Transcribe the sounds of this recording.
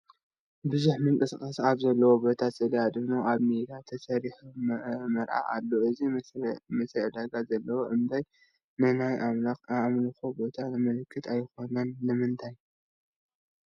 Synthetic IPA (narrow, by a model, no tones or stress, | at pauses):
bɨzuħmɨŋkʼɨskʼɐsaβzɐlːɐwobo̞t̪ʰat̪zɨlɐjad̪ɨnuʔaβmed̪at̪ʰɐsɐɾiħummɐɾʔa̰ʔa̰lːoʔɨzimɐsɾɐʕɨd̪aɡazɐlːɐwoʔɨmd̪ʰaj | nɨnajamlɨkobo̞t̪ʰamɨlɨkʰːɨt̪ʰajxo̞nɐnːɨmɨnt̪ʰaj